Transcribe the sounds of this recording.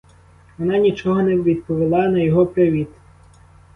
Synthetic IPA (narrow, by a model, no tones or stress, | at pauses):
ʋɔnɑnʲit͡ʃɔɦɔnɛʋʲid̪pɔʋɪlˠɑnɐjɔɦɔpɾeʋʲit̪